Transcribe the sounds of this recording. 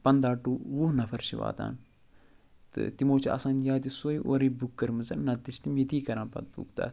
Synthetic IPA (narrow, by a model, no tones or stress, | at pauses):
pɐnd̪aːʈːuːwuɦnɐfʰɐɾʃḭʋa̰ːt̪a̰ːn | t̪ɨ̰t̪imoːt͡ʃʰa̰sãːnjaːd̪isoːiʔoːɾiːbukːɐɾmɨzɐnnɐt̪̚d̪it͡ʃʰt̪imjet̪iːkɐɾãːnpɐ̰t̪̚bṵkt̪a̰ːt̪